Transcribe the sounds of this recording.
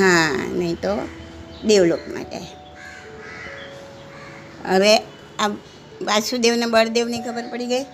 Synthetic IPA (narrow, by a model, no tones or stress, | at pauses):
ɦãnəɦĩt̪o | d̪eʋlokma̰ʈḛ | ə̰ʋe | a | ʋasud̪eʋnebəɽd̪eʋnikʰəbəɾpəɽiɡəi